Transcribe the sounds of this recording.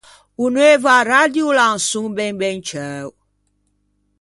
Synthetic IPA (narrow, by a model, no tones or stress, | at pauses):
unũevaɾadiolan̩sũŋbɛ̃ŋbɛnt͡ʃɛːw